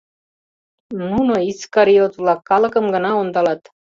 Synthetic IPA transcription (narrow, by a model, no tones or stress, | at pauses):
nunoiskɑɾiot̪vlˠɑkːɑlɤ̆kə̆mɡə̆nɑond̪ɑlɑt̪